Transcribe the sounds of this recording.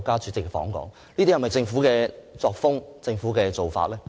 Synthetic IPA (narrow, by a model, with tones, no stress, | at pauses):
kːaː˥t͡ʃyː˨˥t͡sɪ˨kːɛ˧fɔ̰ː˨˥ŋkɔ̰ː˨˥ŋ | niː˥t̪i˥hɐ˩mɐ˨jt͡sɪ˧ŋfuː˨˥kɛː˧t͡sɔː˧k̚fʊ˥ŋt͡sɪ˧ŋfuː˨˥kɛː˧t͡so˨wfa̰ː˧t̚lɛː˥